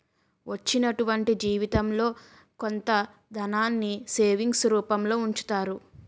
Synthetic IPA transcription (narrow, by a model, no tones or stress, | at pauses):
ʋɐt͡ʃːinɐʈuʋɐɳʈid͡ʒiːʋit̪ɐmlo̞ː | ko̞nt̪ɐ | d̪ɐnaːnːise̞ːʋiŋɡsɾuːpɐmlo̞ːuɲt͡ʃu̥t̪aːɾu